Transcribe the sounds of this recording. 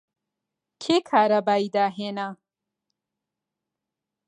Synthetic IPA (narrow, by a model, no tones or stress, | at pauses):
kʰekʰaːɾabaːid̪aɦena